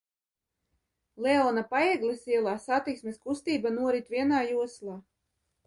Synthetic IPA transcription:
lɛɔːnapaɛɛɡlˠisiɛlˠaːsat̪iksmʲeskust̪iːbanuɔɾit̪vʲiɛnaːjuɔslˠaː

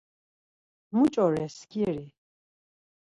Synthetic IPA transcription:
mut͡ʃʼɔɾɛskʰʼiɾi

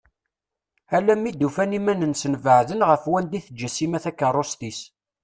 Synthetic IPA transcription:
ælːæmːid̪ufænimænənsənvəʕðənʁəfwænd̪iθəd͡ʒæsimæθækːənrˤost̪is

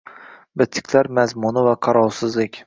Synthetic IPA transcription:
bɪt̪ʰːɪ̥kʲʰlaɾmazmʊnɪvaqʰɑɾɒlsɪzlɪkʲ

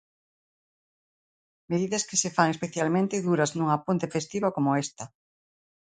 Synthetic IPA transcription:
meðiðɐskɪsefaŋespeθjalmẽnt̪ɪðuɾɐznuŋɐpont̪ɪfest̪iβakomʊest̪ɐ

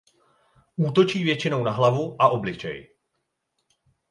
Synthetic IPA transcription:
ʔuːt̪o̞t͡ʃiːvjɛt͡ʃɪno̞wnaɦlavuʔaʔo̞blɪt͡ʃɛ̰j

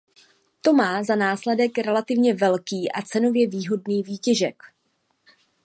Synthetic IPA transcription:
t̪o̞maːzanaːslɛdɛkɾɛlat̪ɪvɲɛvɛlkiːʔa̰t͡sɛno̞vjɛviːɦo̞dniːviːcɛʒɛk

